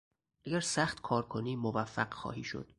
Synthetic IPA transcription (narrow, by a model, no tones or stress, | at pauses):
ʔæɟæɾsæxt̪kʰɒːɾkʰoniːmovæfːæɢxɒ̰ːhḭːʃo̰d̪̥